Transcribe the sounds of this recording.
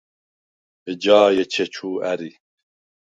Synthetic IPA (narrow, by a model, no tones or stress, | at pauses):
əd͡ʒɑːjet͡ʃʰet͡ʃʰuːæɾi